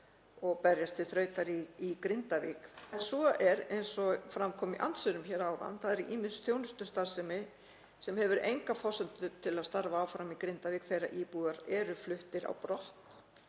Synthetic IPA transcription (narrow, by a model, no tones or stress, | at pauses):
ɔɣpɛɾjast̪ʰɪθɾœːɥt̪aɾiːkɾɪnt̪avḭːkɛnsvɔɛɾejnsɔfɾamkʰɔːmɪʔa̰nt̪sʏɾʏmçɛːɾaːwɾa̰nθaðɛɾiʔiːmɪsθjownʏst̪ʏst̪aɾsɛmɪ | sɛmhɛvʏɾejŋkafɔ̥sɛnt̪ʏt̪ʰɪlaðst̪aɾvaːwfɾamikɾɪnt̪aviːkθejɾa̰ʔiːpuːðaɾɛɾʏflʏht̪ɪɾa̰wpɾɔht̪